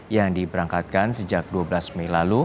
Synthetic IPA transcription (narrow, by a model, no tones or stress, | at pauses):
jaŋdibəɾaŋkat̪̚kansəd͡ʒak̚duablasmelalu